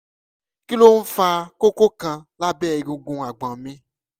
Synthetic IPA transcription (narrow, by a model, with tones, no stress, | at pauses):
ki˦lo˦n̩˦fa˧ko˦ko˦kã˧la˦bɛː˦˨i˨ɡũ˧ɡũ˧a˨ɡ͡bã˨mĩ˧˦